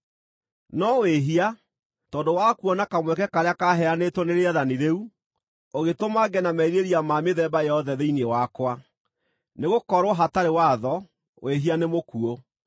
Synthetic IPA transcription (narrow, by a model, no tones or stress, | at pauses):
nɔweɦia | tɔːndowakuɔnakamwɛkɛkaɾeakaɦɛanetoneɾeaðaniɾeu | oɣetomaɡɛnamɛiɾeɾiamameðɛbajɛhɔðɛðeinewakwa | neɣokɔɾwɔɦataɾewaðɔ | wʔeɦianemokuo